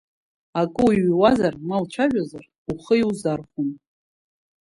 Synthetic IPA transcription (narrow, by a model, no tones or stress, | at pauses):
akʼɨwiɥwazarmalt͡ʃʷʰaʒʷᶣazar | uχəiwzarχʷun